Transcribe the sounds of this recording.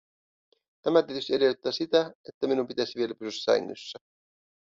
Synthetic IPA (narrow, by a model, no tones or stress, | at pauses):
t̪æmæt̪iet̪yseɾeyt̪ːɑːsit̪æet̪ːæminumpit̪æsiʋie̞læpysysæ̥sæ̰jŋːy̰sːæ